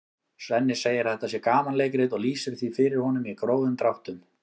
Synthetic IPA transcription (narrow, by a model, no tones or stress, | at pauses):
svɛnːɪseːjɪɾ̥θɛht̪asjɛkaːmanleːjkɾɪðɔɣliːsɪɾθvifɪɾɪɾ̥hɔnʏmikɾoːwðʏmt̪ɾawht̪ʏm